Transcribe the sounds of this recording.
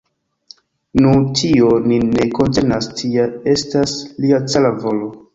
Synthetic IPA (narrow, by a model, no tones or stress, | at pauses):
nutʰionine̞ko̞ntenastʰiae̞stasliat͡salavo̞lo̞